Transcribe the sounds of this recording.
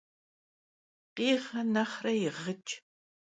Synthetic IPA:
qiːʁɐnaχrɐjɪʁət͡ʃʼ

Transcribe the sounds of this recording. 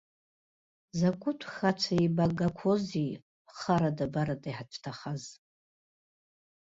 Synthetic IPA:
zakʷʰʼʊtʷʰxat͡ʃʷʰaibaɡakʷʰozi | χaɾadabaɾadajħat͡ʃʷʰtʰaχaz

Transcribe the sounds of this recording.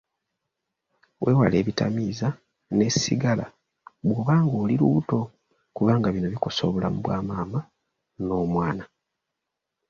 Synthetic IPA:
wʔe̞ːwa̰le̞ːβita̰miːza | ne̞sḭɡala̰ | βwo̞ːβaːŋɡoːliɾuβuto̞ | kuβaːŋɡaβino̞βiko̞so̞ːβula̰muβwaːmaːma | no̞ːmwaːna

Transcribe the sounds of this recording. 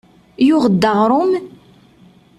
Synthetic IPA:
jʊʁəd̪ːəʁɾˤʊm

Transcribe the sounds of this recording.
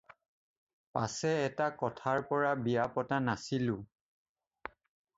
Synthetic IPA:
pa̰sɛːtakɔtʰaɹpɔɹabijapɔtanasilʊ̃

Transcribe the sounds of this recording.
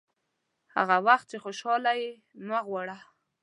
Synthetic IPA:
ha̰ɣawaxt̪̚t͡ʃexoʃɑlaji | maɣwɑɽa

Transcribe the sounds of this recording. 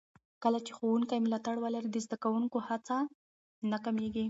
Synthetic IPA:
kəlat͡ʃe̥xowuŋkajmʊlɑt̪aɽwəlaɾid̪əzd̪akawuŋkohat͡sa | nakameɡi

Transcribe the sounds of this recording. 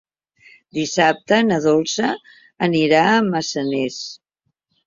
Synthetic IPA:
d̪isap̚t̪ənəðolˠsəː | niɾaəməsənɛs

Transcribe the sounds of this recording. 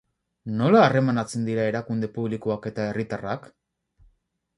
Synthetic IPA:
no̞laːre̞manat͡se̞nd̪iɾae̞ɾakund̪e̞puβlikoake̞t̪ae̞rit̪arak

